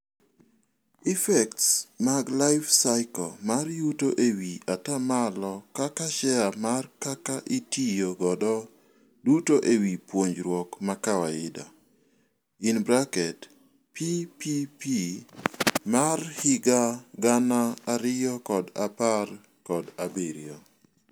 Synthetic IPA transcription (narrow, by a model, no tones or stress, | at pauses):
ifɛktsmaɡlaɪfsaɪkɔ̰marjutoʔewiatamalɔkakaʃɛamarkakaʔitijoɡɔdɔ | dutoʔewipwoɲd͡ʒɾwɔkmakawaɪda̰ | inbɾakɛt | pipipi | marhɪɡaɡanaːɾɪjɔkɔdapar | kɔdabeɾiɔ